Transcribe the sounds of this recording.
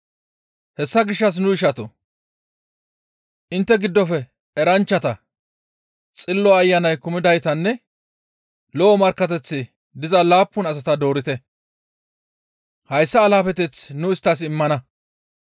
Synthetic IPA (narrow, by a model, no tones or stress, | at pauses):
hɛsːɐɡɪʃːɐs̬nʊɪʃɐt̪ɔ | ʔɪnt̪ːɛɡɪd̪ːɔfɛ | ɛɾɐnt͡ʃːɐt̪ɐ | t͡sʼɪlːɔɐjːɐnɐjkʊmɪd̪ɐjt̪ɐnːɛ | lɔɔmɐɾkːɐt̪ɛt͡sːɪ | d̪ɪzɐlaːpːʊnɐs̬ɐt̪ɐd̪o̞ːɾɪt̪ɛ | hɐjsːɐːlaːfɛt̪ɛt͡snʊɪst̪ːɐs̬ɪmːɐnɐ